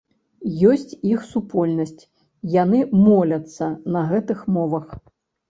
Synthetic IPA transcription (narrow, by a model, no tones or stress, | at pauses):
jɔsʲt͡sʲixsupɔlʲnɐsʲt͡sʲ | janɨmɔlʲɐt̪sːɐnɐɣɛt̪ɨxmɔvɐx